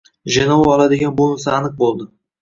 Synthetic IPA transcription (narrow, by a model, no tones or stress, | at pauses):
ʒenɒwaɒlˠad̪ɪɡʲanbonɪsaːnɨq̚bolˠd̪ɪ